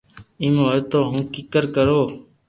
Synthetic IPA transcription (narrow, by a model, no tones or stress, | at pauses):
imoːjt̪oːɦʊ̃ːkikəɾkəɾoː